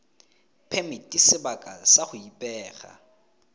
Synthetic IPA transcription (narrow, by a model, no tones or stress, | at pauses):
pʰɛmɪtʼisɪbakʼasaχʊipʼɛːχa̰